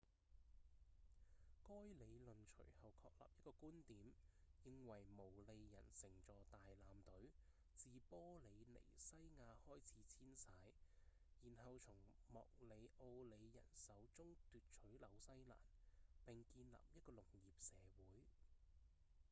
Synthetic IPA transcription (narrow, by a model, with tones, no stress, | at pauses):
kɔː˥jle˨˧jlɵ˨nt͡ʃʰɵ̰˨˩ɥhɐ˨wkʰɔː˧k̚lɐ̰ː˨p̚jɐ˥t̚kɔː˧kuː˥nt̪iː˨˥mjɪ˧ŋwɐ˨˩jmo˨˩wle˨˧jːɐ̰˨˩nsɪ˨˩ŋt͡sɔː˨t̪aː˨jlaː˨˧mt̪ɵ˨˥ɥ | t͡siː˨pɔː˥le˨˧jlḛ˨˩jsɐ˥jŋaː˧hɔː˥jt͡sʰiː˨˥t͡sʰiː˥nsaː˨˥j | jiː˨˩nhɐ˨wt͡sʰʊ˨˩ŋmɔ̰ː˨k̚le˨˧jʔo˧wle˨˧jːɐ̰˨˩nsɐ˨˥wt͡sʊ˥ŋt̪yː˨t̚t͡ʃʰɵ˨˥ɥlɐ˨˧wsɐ˥jla̰ː˨˩npɪ˨ŋkiː˧nla̰ː˨p̚jɐ˥t̚kɔː˧lʊ˨˩ŋjiː˨p̚sɛː˨˧wuː˨˥j